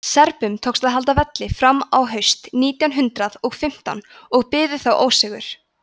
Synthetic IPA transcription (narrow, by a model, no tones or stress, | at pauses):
sɛɾpʏmt̪ʰowksaðɦalt̪avɛt̪lɪfɾamːawɦœɥst̪niːt̪jawnɦʏnt̪ɾaðɔɣfɪm̥t̪a̰nɔɣpɪːðʏθawʔoːwsɛɣʏ̰ɾ̥